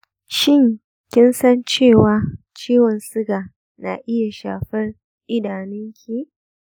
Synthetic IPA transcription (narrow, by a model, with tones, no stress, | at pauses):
ʃɪ˦˨ŋ | kʲɪ˦nsɐ˦nt͡ʃeː˦˨waː˦ | t͡ʃiː˦wɔ˨nsɪ˦ɡaː˨ | na̰ː˨ʔɪ˦ja˨ʃa̰ː˨ɸɐ˦r | ʔɪ˦daː˨nɪ˦ŋkʲʰi˦ʔ